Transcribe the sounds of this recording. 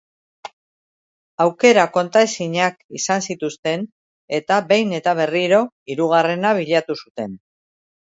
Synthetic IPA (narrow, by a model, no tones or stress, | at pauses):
awke̞ɾako̞nt̪aesiɲakisansit̪ust̪e̞n | e̞t̪abe̞jne̞t̪aβ̞e̞riɾo̞ | iɾuɣ̞are̞naβ̞iʎat̪usut̪e̞n